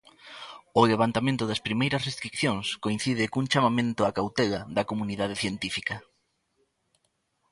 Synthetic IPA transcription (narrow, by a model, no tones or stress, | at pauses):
ʊleβ̞ant̪amẽnt̪ʊðɐspɾimejɾɐsrest̪ɾikθjõŋskoĩn̟θiðɪkuŋt͡ʃamamẽnt̪ʊakawt̪ɛlɐðɐkomuniðað̞eθjent̪ifikɐ